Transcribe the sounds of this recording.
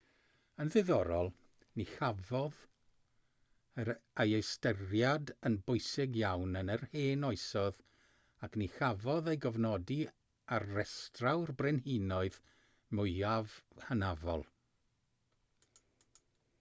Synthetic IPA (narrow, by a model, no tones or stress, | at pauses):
ənðɨðɔɾɔlˠ | nixavɔð | əajejstərjadənbʊɨsɪɡjawnənərheːnɔɨsɔð | akʰnixavɔðejɡɔvnɔdi | arːɛstrawrbrɪnhinɔɨð | mʊɨavhənavɔ̰lˠ